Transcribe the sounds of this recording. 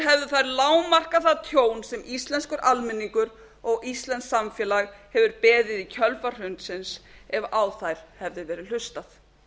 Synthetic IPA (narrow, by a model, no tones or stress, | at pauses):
ɦɛvðʏθajɾlaːwmar̥kaθaðt̪ʰjoːwnsɛmist̪lɛnskʏɾʔalmɛnːiŋkʏɾ | ɔɣist̪lɛnsːamfjɛːlaɣhɛvʏɾpɛːðɪðicʰœlfar̥ʏnt̪sɪnsɛvaːwθajɾ̥hɛvðɪvɛːɾɪl̥ʏst̪aθ